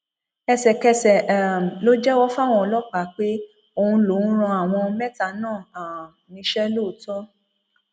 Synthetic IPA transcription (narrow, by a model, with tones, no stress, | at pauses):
ɛ˧sɛ˨kɛ˧sɛ˨lo˦d͡ʒɛ˦wɔ˦fa˦˨w̃ɔ̃˧ɔ˧lɔ˦k͡pa˨˦k͡pe˦ | o˧˨ũ˧lõ˨˦ɾ̃ɔ̃˧a˨w̃ɔ̃˧mɛ˦ta˨˦nãː˦˨a˨ | nĩ˨˧˦ʃɛ˦lo˦˨˦tɔ˦